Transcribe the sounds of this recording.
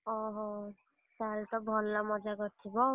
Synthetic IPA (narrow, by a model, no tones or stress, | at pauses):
ɔɦɔ | salt̪ɔbʱɔlːamɔd͡zaɡɔɾt̪ʰibɔ